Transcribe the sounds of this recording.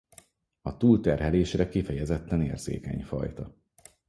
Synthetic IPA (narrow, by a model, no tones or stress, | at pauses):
ɒt̪uːlt̪ɛrɦɛleːʃrɛkifɛjɛzɛt̪ːɛnḛːrz̥ḛːkɛ̰ɲfɒ̰jt̪ɒ